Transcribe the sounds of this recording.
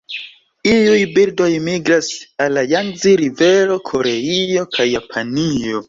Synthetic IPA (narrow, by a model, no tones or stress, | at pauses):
iujbildo̞jmiɡɾasalːajanziɾive̞ɾo̞kʰo̞ɾe̞io̞kʰajːapʰanio̞